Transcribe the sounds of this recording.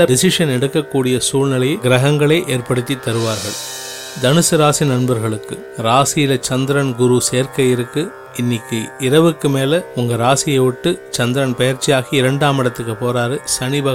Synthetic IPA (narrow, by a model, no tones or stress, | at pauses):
ɐd̪ɪsɪʂɐnɛɽɯkːɐkːuːɽɪjɐsuːɭnɪlɐjɡɪɾɐɣɐŋɡɐɭeːʔeːɾpɐɽɯt̪ːit̪ːɐɾɯʋaːɾɣɐɭ | d̪ɐnɯsɯɾaːsinɐnbɐɾɣɐɭɯkːɯ | ɾaːsɪjɪlɐt͡ʃɐnd̪ɪɾɐnɡʊɾuseːɾkɐjɪɾɯkːɯ | ɪnːɪkːɯɪɾɐʋɯkːɯmeːlɐʊŋɡɐɾaːsɪjɐʋʊʈːɯt͡ʃɐnd̪ɪɾɐnpɐjɐɾt͡ʃːɪjaːɣiɪɾɐɳɖaːmɪɽɐt̪ːɯkːɯpoːɾaːɾɯsɐnɪbɐ